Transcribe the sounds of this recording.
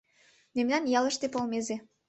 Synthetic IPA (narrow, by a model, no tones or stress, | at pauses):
memnɑnjɑlə̆ʃt̪epolmeze